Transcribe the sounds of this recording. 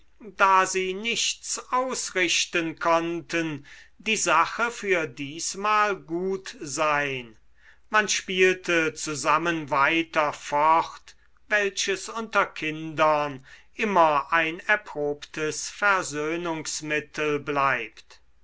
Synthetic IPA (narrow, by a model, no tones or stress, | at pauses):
daːziːnɪʃtt͡saʊsʁɪʃtənkʰɔntəndiːzaχəfyːɐdiːsmaːlɡuːtzaɪn | manʃpiːltət͡suzamənvaɪtɐfɔχt | vɛlʃəsʊntɐkʰɪndɐnʔɪmɐʔaɪnɛɐpʁ̥oːptʰəsfɛɐzøːnʊŋsmɪtʰəlblaɪpt